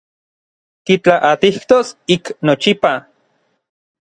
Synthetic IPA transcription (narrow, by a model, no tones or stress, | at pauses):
k̪it͡ɬaʔat̪iht̪osiknot͡ʃipa